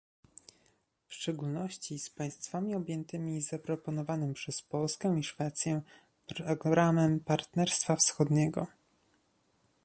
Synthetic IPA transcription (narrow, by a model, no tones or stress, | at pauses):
fʂt͡ʂɛɡulnɔɕt͡ɕispaj̃st̪famʲiɔbʲjɛnt̪ɘmʲizapɾɔpɔnɔvanɘmpʂɛspɔlskɛ̃w̃iʂfɛt̪sʲjɛ | pɾɔɡɾamɛmpaɾt̪nɛɾst̪fafsxɔd̪ɲɛɡɔ̰